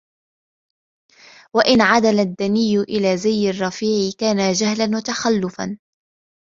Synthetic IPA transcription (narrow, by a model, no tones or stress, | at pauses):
waʔɪnʕad̪alad̪ːanɪjːʊʔɪlaːzajːɪrˤːɑfiːʕɪkaːnad͡ʒahlanwat̪axalːʊfa̰n